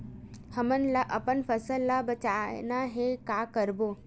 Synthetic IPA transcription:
həmənlaʔəpənfəsəlːabət͡ɕanaɦekakəɾbo

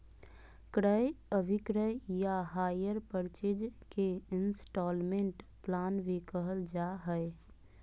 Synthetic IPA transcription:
kɾəjəbʱɪkɾəjjaɦaːjəɾpəɾt͡ʃed͡ʒkeɪnsʈɔːlmẽɳʈplaːnʋekəɦəld͡ʒaɦəe

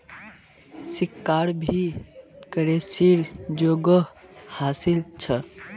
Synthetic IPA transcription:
sikːaɾbʱikəɾesiɾd͡ʒoɡəhasilt͡ʃʰə

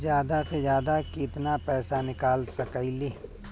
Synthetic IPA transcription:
zjaːd̪apʰezjaːd̪akɪt̪napɛːsanɪkaːlsɐkaili

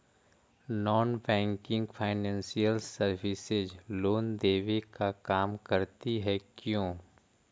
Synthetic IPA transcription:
nɔːnbɛ̃ːŋkɪ̃ŋɡpʰaːɪnɛ̃ːnsijəlsəɾʋɪsɪzloːnd̪eːʋekakaːmkəɾt̪iɦɛkjõː

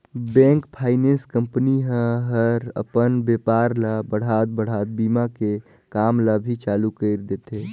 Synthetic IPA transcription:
bɛ̃ːŋkpʰaːɪnẽnskə̃mpniɦə̃ɦəɾə̰pənbeːpaːɾlabəɽ̤aːt̪̚bəɽ̤aːt̪̚biːmake | kaːmlabʱit͡ʃaːlukəɪɾd̪eːt̪eː

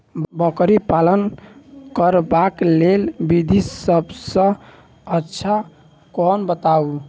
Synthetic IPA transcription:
bəkɾipalənkəɾbaklelbid̪ʱisəbsə̃ | ətːʃʰa | kɔnbət̪au

